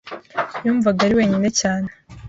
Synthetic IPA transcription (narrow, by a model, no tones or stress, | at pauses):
juːɱvaɡaɾiwe̞ːɲine̞caːne